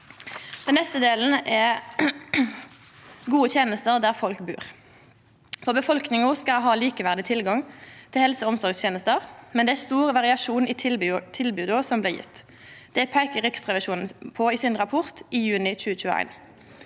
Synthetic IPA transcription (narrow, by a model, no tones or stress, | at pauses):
d̪̥ɛnːɛst̪əd̪eːln̩ʔɛ | ɡuːət̪ʰjeːnəst̪əʁd̪æːʁfɔlkbʉ̰ːʁ | fɔʁbəfɔlknɪŋʊskɑɦɑːliːkəʋæʁd̪ɪt̪ʰɪlɡɑŋt̪ʰɪlhɛlsəɔmsɔʁɡst̪ʰjeːnəst̪əʁmɛnd̪ɛæst̪uːʁʋɑʁɪɑʃuːnit̪ʰɪlbʉːd̪osɔmblɪːʁjɪ̰t̪ː | d̪̥ɛpʰæɪkəʁʏksʁɛʋɪʃuːnn̩pʰɔiːsɪnʁɑpʰɔʁt̪iːjʉːnɪc͡çʉːəc͡çʉːəæ̰ɪn